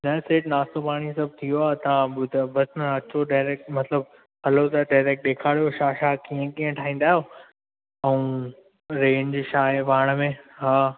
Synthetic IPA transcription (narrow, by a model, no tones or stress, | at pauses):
nɐseːʈnaːst̪opaːɽ̃isɐb̚ʱt̪ʰijoaːt̪ɐʋãbʊd̪ʱbɐsnɐɐt͡ɕoɖaːɾeːk̚ʈmɐt̪ləb̚ | hɐlot̪ɐɖaːɪɾeːk̚ʈ̚ɗeːkʰaːɽijoʃaːʃaːkiɦə̃kiːə̃ʈʰaːĩːn̆d̪aːɦjoː | ɛ̃ũː | ɾẽːɲd͡ʑʃaːʋaːɽ̃mẽɦaː